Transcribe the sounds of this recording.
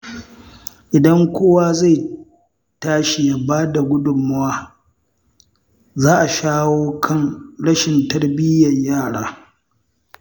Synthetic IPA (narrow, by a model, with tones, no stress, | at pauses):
ʔɪ˨dɐ˦ŋkʷoː˦waː˦za˦˨j | taː˦ʃi˨ja˨baː˦da˨ɡʷʊ˦dʊ˨mːʊ˦waː˦ | zaː˦ʔa˨ʃaː˦woː˦kʰɐ˦˨ŋɽɐ˦ʃɪ˨ntɐ˦ɽbɪ˦jɐ˨ɲjaː˦˨ɽaː˦